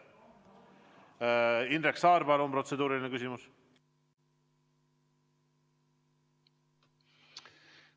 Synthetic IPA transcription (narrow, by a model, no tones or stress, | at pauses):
inɾeksɑːɾbɑlonpro̞t̪se̞d̪uːɾilinekys̬ʲimus